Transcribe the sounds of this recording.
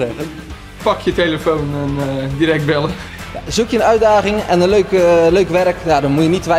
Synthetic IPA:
ɛɣən | pɑkʰjəteləfownəndirɛk̚tbɛlə | jazukjəənœɥdaːχɪŋɛnənløɥkløɥkʋɛrknadɔnmujənitʋɛ

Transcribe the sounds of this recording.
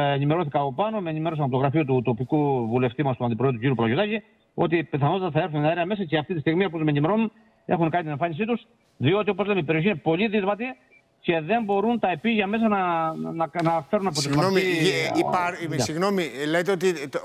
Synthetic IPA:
enime̞ɾo̞θikɐːpo̞pɐno̞menime̞ɾos̬ɐɐpt̪oɣɾɐfiot̪ut̪o̞pikuvule̞ft̪imɐst̪uɐnd̪ipɾed̪uciɾjuplojot̪ɐci | o̞t̪ipeθɐnot̪it̪ɐθɐe̞ɾθuneɐɾeɐme̞sɐceɐft̪it̪ist̪iɣmiɐpot̪umenime̞ɾo̞nun | e̞̰xuŋkɐnit̪ine̞ɱfɐnisit̪us | ðio̞t̪̬iopo̞zlemeipeio̞çine̞po̞liðizmɐt̪i | ce̞ðe̞mbo̞ɾunt̪ɐepiʝɐme̞s̬ɐnɐnɐnɐfe̞ɾunɐpo̞t̪inmoi | ɐsiɣnomilejt̪eot̪i

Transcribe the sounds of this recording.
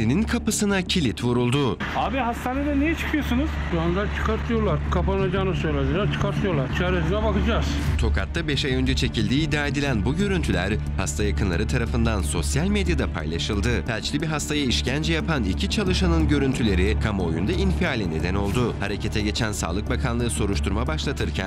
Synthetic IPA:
ininkʰapɯsɯnacʰilʲit̪vuɾulˠd̪ʊ | aːbiɦast̪ʰaːned̪ɛnejɛt͡ʃʰɯ̥kʰɯjo̞sunuz̥ | and̪aɾt͡ʃʰɯ̥kʰaɾt̪ʰɯjoɾlˠaɾkʰapanad͡ʒaːnɯsøjlʲad̪eɾaɾt͡ʃʰɯ̥kaɾt̪ʰɯjolˠaɾt͡ʃʰaːɾes̬inɛbakɯd͡ʒaz̥t̪ʰo̞kʰat̪ʰːabɛʃajø̞nd͡ʒɛt͡ʃʰe̞cʰilʲd̪iːd̪ːaːe̞d̪ilʲænbuɟø̞ɾynt̪ʰylʲæɾ | hast̪ʰajakʰɯnlˠa̰ɾɯt̪ʰaɾafɯnd̪anso̞sjalʲmed̪jad̪apʰa̰jlˠaʃɯlˠd̪ɯbælʲt͡ʃlʲibiɦast̪ʰajaiʃcʰænd͡ʒɛjapanicʰit͡ʃʰalˠɯʃanɯnɟø̞ɾynt̪ʰylʲe̞ɾikʰamo̞jund̪ainfiaːlʲine̞d̪ɛno̞lˠd̪uhaɾe̞cʰe̞t̪ʰɛɟe̞t͡ʃʰænsa̰ːlˠɯk̚bakʰanˠɯːso̞ɾuʃt̪ʰuɾmabaʃlˠat̪ʰɯɾcʰæ̰n

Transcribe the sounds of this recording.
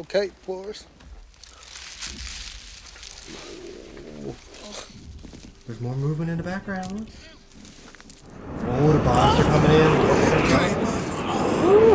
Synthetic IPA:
oʊkʰeɪ̥kʰɔɹs | o | ðə˞zmɔɹmuvmɨ̃ñtɨ̃nðəbæk̚ɡ̥ɹãʊ̃n | oʊðəbɑsə˞kʰʌ̃mɪ̃ŋɪ̃noɨɹaɪt

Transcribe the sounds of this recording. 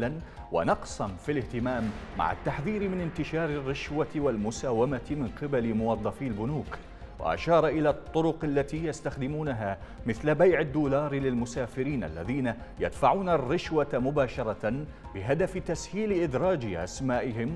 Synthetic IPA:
lan | wa̰nɑqsˤamfilɪht̪ɪmaːmːa̰ʕa̰t̪ːaħðiːɾmɪnɪnt̪ɪʃɑːɾɪrːɪʃwat̪walmʊsaːwamat̪mɪnqɪbalɪmʊwɑðˤːɑfiːlbʊnuːk | wa̰ʔa̰ʃɑːɾˤɑʔɪlat̪ˤːʊɾʊqalːat̪ijast̪axd̪ɪmuːnaɦa | mɪθlabajʕɪd̪ːuːlɑːɾlɪlmʊsaːfɪɾiːnʔa̰lːa̰ðiːnaja̰d̪faʕuːnarːɪʃwamʊbaːʃɑɾˤɑ | bɪɦad̪aft̪ashiːlɪʔɪd̪ɾˤɑːd͡ʒɪʔa̰smaːʔɪɦɪm

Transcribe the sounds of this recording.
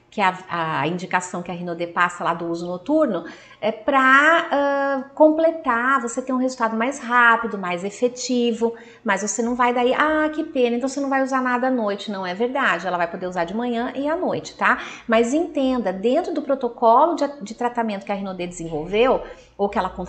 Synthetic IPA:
kɪɐɐ̰ĩd͡ʒikasɐ̃w̃kɪɐɦĩnod̪epasɐlad̪ʊuzʊnot̪uɾnʊ | ɛpɾɐɛkõplet̪avoset̪ẽj̃ũɦezuwt̪ad̪ʊmajsɦapid̪ʊmajzefet͡ʃivʊ | mɐzvosenɐ̃w̃vajd̪aiʔakɪpẽnɐ̃t̪ɐ̃w̃senɐ̃w̃vajuzaɾnad̪ɐanojt͡ʃɪnɐ̃w̃ɛveɾd̪ad͡ʒɪɛlɐvajpod̪eɾuzaɾd͡ʒɪmɐ̃ɲɐ̃ʔɪanojt͡ʃɪ̥t̪amɐzẽnt̪ẽnd̪ɐd̪ẽnt̪ɾʊd̪ʊpɾot̪okɔlʊd͡ʒd͡ʒɪt̪ɾat̪amẽnt̪ʊkɪɐɦĩnod̪ed͡ʒɪzẽvowvew | owkɪɛlɐkõ

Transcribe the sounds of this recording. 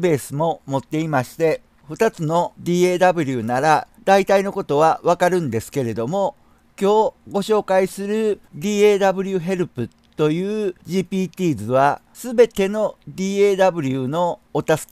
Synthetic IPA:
be̞ːsɨmo̞mo̞t̪ːe̞imaɕi̥t̪e̞ | ɸɯ̟t̪at͡sɨno̞d̪ʲiːeːd̪abɯ̟ɾʲɯnaɾad̪ait̪aino̞ko̞t̪o̞βaβakaɾɯ̟̃nd̪e̞sɨ̥ke̞ɾe̞d̪o̞mo̞ | kʲo̞ːɡo̞ɕo̞ːkaisɨɾɯ̟d̪ʲiːeːd̪abɯ̟ɾʲɯ̟ɦe̞ɾɯ̟pɯ̟ | t̪o̞jɯ̟ːʑiːpʲiːt̪ʲiːzɨβa | sɨbe̞t̪e̞no̞d̪ʲiːeːd̪abɯ̟ɾʲɯ̟no̞ːt̪asɨ̥k

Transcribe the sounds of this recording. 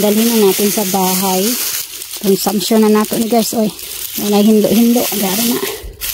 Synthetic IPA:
dalhinanat̪insabaɦaj | t̪unsamsɔnanat̪ɔʔniɡajsɔj | ɔnajɦinlɔ̰ʔhinlɔ̰ʔɡaɾanaʔ

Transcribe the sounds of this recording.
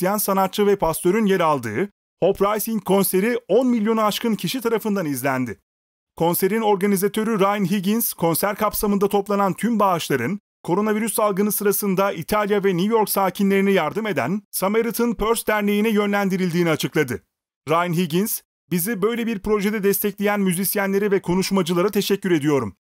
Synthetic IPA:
it̪ijænsanat̪t͡ʃɯvɛpʰast̪ø̞ɾynjeɾalˠd̪ɯ̰ː | ho̞pɾajsiŋkʰːo̞nse̞ɾio̞nmilʲjo̞naːʃkɯncʰiʃit̪ʰaɾafɯnd̪anizlʲænd̪ɪ | kʰo̞nse̞ɾino̞ɾɡanʲizat̪ʰø̞ɾyɾajnɦiɟinskʰo̞nsæɾkʰapsamɯnd̪at̪ʰoplˠanant̪ʰymbaːʃlˠaɾɯn | kʰo̞ɾo̞naviɾysːalˠɡɯnɯsɯɾasɯnd̪aʔit̪ʰalʲjavɛnujo̞ɾksaːcʰinlʲe̞ɾinijaɾd̪ɯme̞d̪æ̰nsameɾit̪ʰɯnpʰøɾsd̪æɾnejinɛjø̞nlʲænd̪iɾilʲd̪iːniat͡ʃʰɯklˠad̪ɯ | ɾajnɦiɟins | bizibø̞jlʲebiɾpɾo̞ʒed̪ɛd̪ɛst̪ʰɛclʲejænmyzisjænlʲe̞ɾɛvɛkʰo̞nuʃmad͡ʒɯlˠaɾat̪ʰeʃɛcːyɾe̞d̪ijo̞ɾum

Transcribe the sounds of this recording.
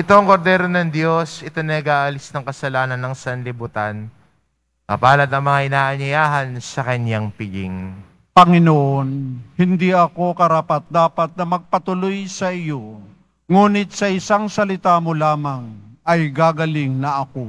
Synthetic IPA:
ʔɪt̪oɐŋko̞ɾd̪ɛːɾonɐŋd̪jo̞sʔɪt̪onɐɐɡaːʔɐlɪsnɐŋkɐsɐlaːnɐnːɐŋsɐnlɪbut̪an | kɐpaːlɐt̪ɐŋmɐŋaʔɪnaːʔɐnɪjaːɦɐnsɐkɐɲaŋpɪɡɪ̰ŋ | pɐŋɪnoʔonhɪnd̪iʔɐko̞kɐɾaːpɐt̪̚d̪aːpɐt̪̚nɐmɐɡ̚pɐt̪ʊlojsɐʔɪjo̞ | ŋuːnɪt̪̚sɐʔɪsaŋsɐlɪt̪aːmo̞laːmɐŋɐjɡaːɡɐlɪŋnɐʔɐko̞

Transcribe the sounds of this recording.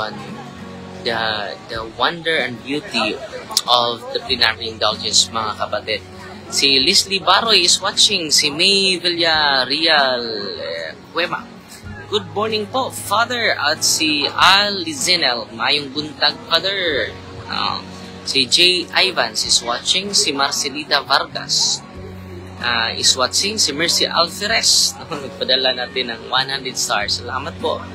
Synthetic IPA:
an | d̪ɐd̪ɐwɐ̃nd̪ɛɹɛ̃nd̪̚bjut̪iʔɔvd̪ɐplinaɹiɪ̃nd̪ald͡ʒɛnsmɐŋakɐpɐt̪ɛd̪̚ | silislibaɾojɪswat͡ʃɪŋsimejviljaɾial | kwɛma̰ | ɡ̥ʊd̪̚mɔɹnɪŋpofaðɛɹat̪sialːizɛnɛlmɐʔaːjʊŋbʊnt̪aɡ̚faðɛɹ | a̰ | sid͡ʒejʔajvansɪswat͡ʃɪŋsimaɾsɛlit̪avaɾɡa̰s | ʔaʔɪ̰swat͡ʃɪŋsɪmɛɹsiʔa̰lfɛɾɛsnɐɐɡ̚pɐd̪ɐlanaːt̪ɪnɐŋwanhand̪ɾɛd̪st̪a̰ɹsːɐlaːmɐt̪̚po̰

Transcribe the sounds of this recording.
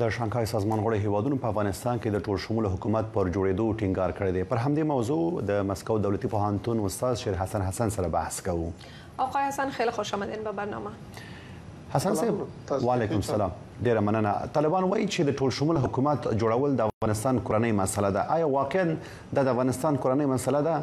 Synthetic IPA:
d̪̥əʃɑŋxɑjsɑzmɑnɣəɽeɦewɑd̪unopəafɣɑnɪst̪ɑnked̪əʈolʃʊmuloɦʊkumat̪̚pəɾd͡ʒoɽed̪oʈiŋɡɑɾkəɽed̪epəɾɦamd̪emawzod̪əmaskawd̪awlat̪ipoɦant̪unʊst̪ɑzʃeɾɦasanɦasansaɾaba̰hskawu | aqɑjhasanxelxoʃɑmad̪enbabaɾnɑ̰ma | hasansebwɑlekʊmsalɑm | ɖeɾamanəna̰t̪ɑlɪbɑnwɑjit͡ʃed̪əʈolʃʊmulɦʊkumat̪d͡ʒoɽawəld̪əafɣɑnɪst̪ɑnkoɾanəjmasalad̪aʔɑjɑwɑqɪan | d̪ɑd̪əafɣɑnɪst̪ɑnkoɾanəjmasalad̪a

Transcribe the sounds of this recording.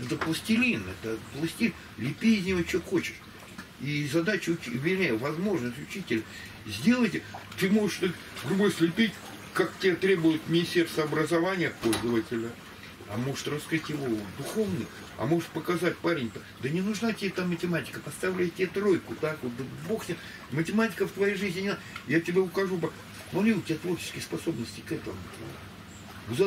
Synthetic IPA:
ɛt̪əplˠəsʲtʲɪlʲinɛt̪əplˠɐsʲtʲi | lʲɪpʲiɪzʲnʲɪvot͡ɕoxot͡ɕɪ̥ʂ | izɐd̪at͡ɕʊʊt͡ɕʊvʲɪlʲæjəvɐzmo̞ʐnəsʲtʲʊt͡ɕitʲɪlʲə | zʲdʲe̞lˠəjtʲt̪ɨmo̞ʐɨʂt̪ə | ɡɾʊbosʲt̪ʲlʲɪpʲitʲ | kaktʲɪbʲat̪ɾʲe̞bʊjʊt̪mʲɪnʲɪsʲtʲe̞rst̪vəɐbɾəzɐvanʲɪjəpo̞lʲzəvətʲɪlʲə | ɐ̰mo̞ʐɨ̥t̪rɐskɾɨtʲjɪvo̞d̪ʊxovnɨj | ɐ̰mo̞ʐɨt̪̚pəkɐzat̚ʲpaɾʲɪnʲt̪akd̪ənʲɪnʊʐnatʲɪbʲet̪amːətʲɪmatʲɪ̥kəpɐst̪ɐvlʲæjtʲɪbʲet̪ɾo̞jkʊt̪akot̪̚d̪əbo̞xnʲet̪ | mətʲɪmatʲɪ̥kəft̪vɐjejʐɨzʲnʲɪnʲɪajatʲɪbʲeʊkɐʐupa | nolʲiʊtʲɪbʲat̪vo̞rt͡ɕɪ̥skʲɪjspɐso̞bnəsʲtʲɪkɛt̪ə̰mʊt̪o̰ | ʊza

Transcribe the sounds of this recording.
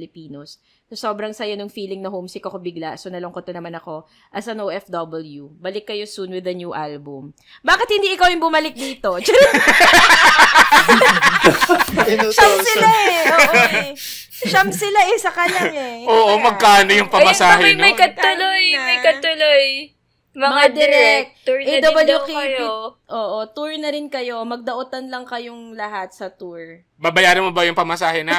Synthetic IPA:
lɪpiːnos | sɐsoːbɾɐŋsɐjonʊŋfiːlɪŋnɐhomsɪkɐkobɪɡlaʔsonɐlʊŋkot̪ːɐnɐmanɐko̞ | ʔɐsɐnowʔɛfd̪ɐbɛljubɐlɪkːɐjo̞sunwɪðɐnjuʔalbʊm | baːkɪt̪hɪnd̪iːʔɪkawjʊŋbʊmɐlɪk̚d̪iːt̪o̞t͡ʃɐɾɛ | ʃɐmsɪlaʔɛʔoʔo | ʃɐmsɪlaʔɛsɐkalɐŋɛʔoːʔomɐɡ̚kanojʊŋpɐmɐsaːɦɛmɐjkɐt̪ʊlojmɐjkɐt̪ʊloj | mɐmɐad̪ɛɾɛk̪̚ɛd̪obɐljukij | ʔoːʔot̪uɹnɐɾɪnkɐjo̞mɐɡ̚d̪ɐʔʊt̪ɐnlɐŋkɐjoŋlɐɦat̪̚sɐt̪uɹ | babɐjaːɾɐmobɐjʊŋpɐmɐsaːhɛnɐ

